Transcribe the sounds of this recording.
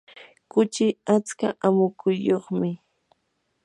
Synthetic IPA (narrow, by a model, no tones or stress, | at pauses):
kʊt͡ʃɪat͡skaʔamʊkʊjoχmɪ